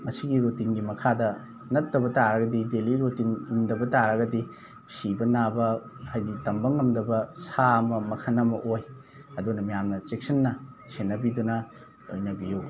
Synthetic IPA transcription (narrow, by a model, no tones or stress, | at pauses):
mɐsiɡiɾutinɡimɐkʰadɐ | nɐtːɐbɐtaɾɐɡɐdideliɾutinumdɐbɐtaɾɐɡɐdi | sibɐnabɐhajditɐmbɐŋːɐmdɐbɐsaɐmɐmɐkʰɐnɐmɐʔoj | ɐdunɐmɐjamnɐt͡ʃek̚sɐnːɐsenːɐbidunɐ | lo̰jnɐbiju